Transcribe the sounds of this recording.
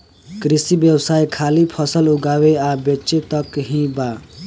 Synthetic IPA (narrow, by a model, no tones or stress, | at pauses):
kɾisibjəwsajkʰalipʰʌsəluɡaweabet͡ʃet̪əkɦĩba